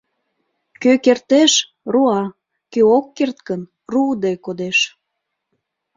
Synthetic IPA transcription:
køkert̪eʃ | ruɑ | køokːert̪kən | rud̪ekod̪eʃ

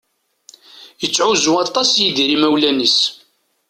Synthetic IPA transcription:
jət͡sːʕuzuɑt̪ˤɑsjiðiɾimæwlænis

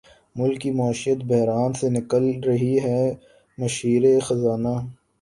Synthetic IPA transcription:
mʊlkːimaːʃijət̪bɐɦɾaːnsenɪkəlɾɐɦiɦɛ | mɐʃiːɾexɐzaːnaː

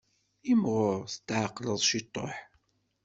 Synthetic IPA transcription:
imʁʊɾθət̪ːʕəqːləðˤʃit̪ˤːo̰ħ

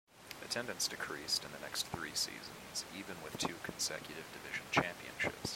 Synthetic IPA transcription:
ɨtʰɛ̃ndɨ̃ntsd̥ɨkʰɹ̥istɨ̃nðɨnɛksθɹisḭzɨ̃nz̥ivɨ̃nwɨð̥tʰʉkʰn̩sɛ̰kjɨɾɨvdɨvɪʒ̃n̩t͡ʃʰæ̃mpiɨ̰̃nʃɪ̰ps

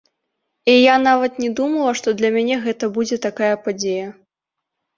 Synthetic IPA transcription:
ijanavɐt̪nʲɛd̪umɐlˠɐʂt̪ɔd̪lʲɐmʲanʲɛɣɛt̪ɐbud͡zʲɛt̪akajɐpad͡zʲejɐ

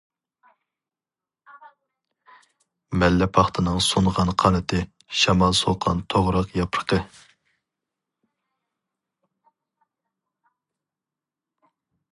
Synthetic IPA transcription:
mɛlːɛpʰɑχt̪ʰɨnɨŋsunʁɑnqʰɑnɨt̪ʰɨ | ʃɑmɑlˠsoqʰːɑ̰nt̪ʰoʁɾɑqjɑpʰɾqʰə

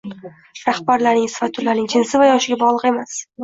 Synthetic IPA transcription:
ɾahbaɾlaɾnɪŋsɪ̥fat̪t̪ʰːʊɾlːaɾnɪŋd͡ʒʰɪnsɪvajɒʃɪɡʲabɒʁlˠɨqe̞mas

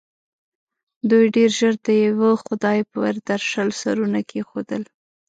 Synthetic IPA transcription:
d̪ujɖeɾʒəɾd̪əjawəxʊd̪ɑjpəwa̰ɾd̪aɾʃalsa̰ɾunakʰexod̪əl

